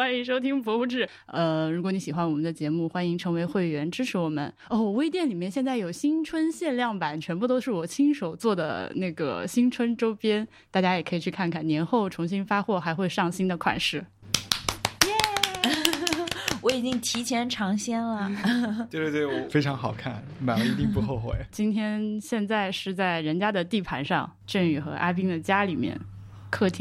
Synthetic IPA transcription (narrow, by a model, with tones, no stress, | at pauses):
wa˥ni˧˥ŋʂo˥ʊt̪ʰi˥ŋpʰwɔ˧˥u˧ʈ͡ʂɻ̩˥˩ | ə˧ɻu˧˥kwɔ˧˥˦ni˧˥ɕi˨˩wa˧˥nwɔ˨˩mə˦nd̪ə˧t͡ɕjɛ˧˥mu˥˩xwa˥ni˧˥ŋʈ͡ʂʰɤ˧˥ŋwe˧˥ɪxwe˥˩ɪɥɛ˧˥nʈ͡ʂɻ̩˥ʈ͡ʂʰɻ̩˧˥wɔ˨˩mə̰˦nɔ˥˩wɔ˨˩we˥ɪt̪̬jɛ˥˩nli˨˩mjɛ˥˧nɕjɛ˥˧nt͡sa˥˩jo˨˩ʊɕi˥ŋʈ͡ʂʰwə˥nɕjɛ˥˧nljɑ˥˩ŋpa˨˩˦nt͡ɕʰɥɛ˧˥npu˥˧t̪̬o˥ʊʂɻ̩˥˩wɔ˨˩t͡ɕʰi˥ŋʂo˨˩ʊt͡swɔ˥˩d̪ə̰˩na˥˩ɡə̰˩ɕi˥nʈ͡ʂʰwə˥nʈ͡ʂo˥ʊpjɛ˥n | t̪a˥˩t͡ɕja˥jɛ˨˩kʰɤ˧˥i˨˩t͡ɕʰy˥˧˩kʰa˥˩nkʰa˥˩njɛ˧˥nxo˥˩ʊʈ͡ʂʰʊ˧˥ŋɕi˥nfa˥xwɔ˥˩xa˧˥ɪxwe˥˧ɪʂɑ˥˩ŋɕi˥nd̪ə˨kʰwa̰˨˩nʂɻ̩˥˩ | jɛ˥˩ | wɔ˧˥i˨˩t͡ɕi˥ŋt̪ʰi˧˥t͡ɕʰjɛ˧˥nʈ͡ʂʰɑ˧˥ŋɕjɛ˥nlə˨˥˧ | fe˥ɪʈ͡ʂʰɑ˧˥ŋxɑ˨˩ʊkʰa˥˩n | ma˨˩˥i˧˥t̪i˥˧pu˥˧xo˥˩ʊxwḛ˨˩ɪt͡ɕi˥nt̪ʰjɛ˥nɕjɛ˥˧nt͡sa˥˧ɪʂɻ̩˥˧t͡sa˥˩ɪɻə˧˥nt͡ɕja˥d̪ə˨t̪i˥˩pʰa˧˥nʂɑ˥˧ŋ | ʈ͡ʂə˥˩ŋy˨˩xɤ̰˧˥ʔa̰˥p̬i˥ŋd̪ə˨t͡ɕja˥li˨˩mjɛ̰˥˧˩n | kʰɤ˥˩t̪ʰi˧˥